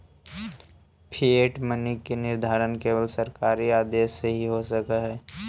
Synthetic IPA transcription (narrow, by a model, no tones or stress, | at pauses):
pʰieːʈmənɪkːenɪɾd̪ʱaːɾənkeːʋəlsəɾkaːɾiaːd̪eːsːeɦiɦosəkaɦɛː